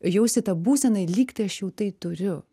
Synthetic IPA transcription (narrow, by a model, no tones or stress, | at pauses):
jɛʊsʲɪt̪ɐbuːsʲɛnɐɪlʲiːkt̪ɐɪɐʃjɛʊt̪ɐɪt̪ʊɾʲʊ